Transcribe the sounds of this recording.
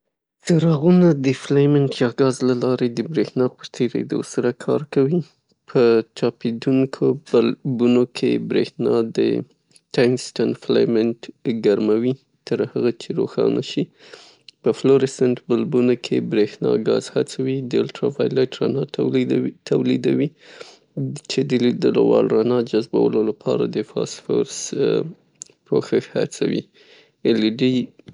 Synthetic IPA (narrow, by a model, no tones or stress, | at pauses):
t͡səɾɑɣunad̪əflajmɪnʈjɑɡɑzlalɑɾed̪əbɾexnɑpəɾt̪ʰeɾḛd̪o̰saɾakʰɑ̰ɾkawi | pʰət͡ʃɑped̪uŋkʰobalbunokʰḛbɾexnɑd̪ə̰ | tajnsʈanfla̰jmɪnʈɡaɾmawi | t̪əɾhaɣat͡ʃeɾo̰xɑ̰nʔa̰ʃi | pəfloɾɪsanʈbalbunokʰebɾexnɑ̰ɡɑzhat͡sawid̪əalʈɾafajlaʈɾɑnɑ | t̪awlid̪awi | t͡ʃed̪əd̪əlwɑlɾɑnɑd͡ʒazbawəlolapʰɑɾa̰d̪əfɑ̰sfoɾs | pʰoxəha̰t͡sawḭ | ɪliɖi